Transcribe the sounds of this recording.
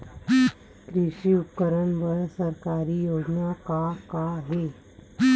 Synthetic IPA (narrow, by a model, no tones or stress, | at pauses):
kɾiɕiːupkəɾəɳʋəɾsəɾkaɾiːjod͡ʒnakakaɦe